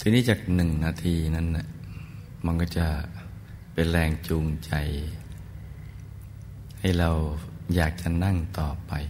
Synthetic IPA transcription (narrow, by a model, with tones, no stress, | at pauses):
t̪ʰiː˧niː˥˩t͡ɕaː˨˩k̚nɯ˨˩ŋnaː˧t̪ʰiː˧na˧˥˨nːa˧˩ | ma˧nkɔ˧˩t͡ɕa˧˩ | pe˨nlɛː˧ŋt͡ɕuː˧ŋt͡ɕa˨˧j | ha˧˥˩jɾa˧wjaː˨˩k̚t͡ɕa˨˧˨na˥˩˨ŋt̪ɔː˨˩pa˨j